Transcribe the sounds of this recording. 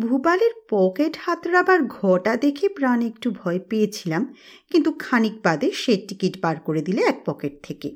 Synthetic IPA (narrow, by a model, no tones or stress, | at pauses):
bʱubaleɾpɔkeʈhat̪ɾabaɾɡʱɔʈad̪ekʰepɾanekʈubʱɔepeet͡ɕʰilam | kint̪ukʰanik̚bad̪eʃeʈːikiʈbaɾkoɾed̪ileɛk̚pɔkeʈ̚t̪ʰeke